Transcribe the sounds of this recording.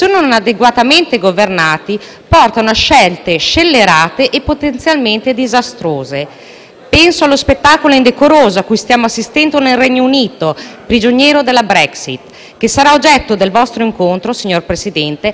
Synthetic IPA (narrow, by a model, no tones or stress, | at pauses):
sononad̪eɡwat̪ament̪eɡovernaːt̪i | pɔrt̪anoaʃɛlt̪eʃelːeɾaːt̪eʔepːot̪ent̪sjalment̪ed̪izast̪ɾoːze | pɛnsoalːospet̪ːaːkoloind̪ekoɾoːzoakːujst̪jaːmoasːist̪ɛnd̪onelrɛɲːouniːt̪opɾid͡ʒoɲjɛːɾod̪elːabɾɛksḭt̪ | k̟esaɾaod͡ʒɛt̪ːod̪elvɔst̪ɾoiŋkont̪ɾosiɲːorpɾesid̪ɛnt̪e